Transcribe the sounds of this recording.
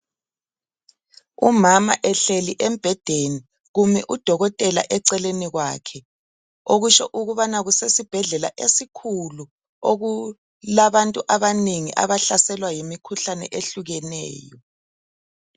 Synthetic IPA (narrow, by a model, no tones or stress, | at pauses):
umama̰ʔɛɬeliʔɛmb̥ʱɛd̥ʱeni | ɣumɛʔud̥ʱɔɣɔtʼɛla̰ʔɛǀɛleniɣwaːkʰɛ | oɣut͡ʃɔʔuɣuβanaɣusesib̥ʱɛɮɛla̰ʔesikʰulu | oɣu | laβantʼuʔaβaneŋḭʔa̰βaɬasɛlwajimikʰuɬanɛ̰ʔeɬuɣɛnɛ̰ːjɔ